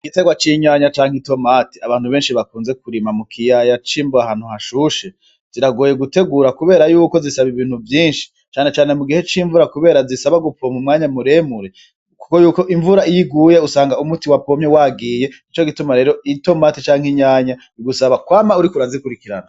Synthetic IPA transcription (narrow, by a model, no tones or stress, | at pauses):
iɡite̞ɡwat͡ʃiɲaːɲat͡ʃaːŋ̥hito̞maːti̥aβaːn̥huβe̞ːnʃiβakuːnze̞kuɾimamukʰijajat͡ʃiːmboahaːn̥uhaʃuʃe | z̥iɾaɡo̞ːje̞ɡute̞ɡuːɾakuβe̞ːɾajuːko̞zisaβiβiːn̥huvjiːnʃi̥ | t͡ʃaːne̞t͡ʃaːne̞muɡihe̞t͡ʃiːɱvuɾakuβe̞ːɾazisaβaɡupomumŋaːɲamuɾe̞muɾe̞ | ku̥ko̞juːko̞ʔiɱvuɾaijiɡuːje̞usaːŋɡaumutiwapo̞mɲewaːɡiːje̞it͡ʃo̞ɡitumaɾe̞ːɾo̞ito̞maːtit͡ʃaːŋhiɲaːɲa | iɡusaβakwaːmauɾikuɾazikuɾikiɾana